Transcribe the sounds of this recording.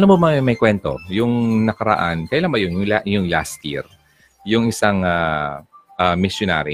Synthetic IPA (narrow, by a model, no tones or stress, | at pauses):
ʔɐnobomɐmɐjkwɛnt̪o̞̰jʊŋnɐkɐɾɐ̰ʔa̰nkɐjalaŋbɐjonjʊŋlajʊŋlast̪ḭɾ | jʊŋɪsaŋa | ʔamɪsjona̰ɾi